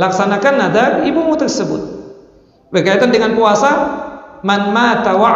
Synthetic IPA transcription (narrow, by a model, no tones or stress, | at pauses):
laksanakanadaibumut̪ərsəbʊ̰t̪̚ | bərkait̪andəŋanpuasamanmaːt̪awa